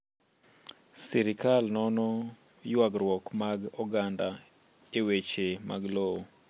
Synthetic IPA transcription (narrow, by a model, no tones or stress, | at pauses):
siɾɪkalnɔnɔ | jwaɡɾwɔkmaɡɔɡanda | ewet͡ʃema̰ɡlowo